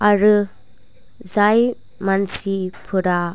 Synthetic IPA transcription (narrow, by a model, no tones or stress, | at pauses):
aɾɯ | zaj | mansipʰɯɾa